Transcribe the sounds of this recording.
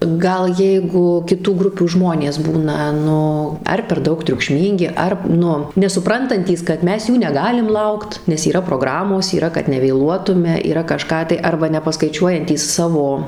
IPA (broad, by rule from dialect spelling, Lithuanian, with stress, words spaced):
ˈɡɐlˠ ˈjɛɪɡʊ kʲɪˈtuː ˈɡrʊpʲuː ˈʒmoːnʲeːs ˈbuːnɐ ˈnʊ ˈɐr pʲɛr ˈdɐʊk tʲrʲʊkˈʃʲmʲiːŋʲɡʲɪ ˈɐr ˈnʊ nʲɛsʊˈprɐntɐnʲtʲiːs kɐt ˈmʲɛs ˈjuː nʲɛˈɡɑːlʲɪm ˈlˠɐʊkt nʲɛs iːˈrɐ proːˈɡrɑːmoːs iːˈrɐ kɐt nʲɛʋʲeːˈlˠuɔtʊmʲɛ iːˈrɐ kɐˈʃkɑː tɐɪ ˈɐrbɐ nʲɛpɐskɐɪˈt͡ʃʲuɔjɛnʲtʲiːs ˈsɑːʋoː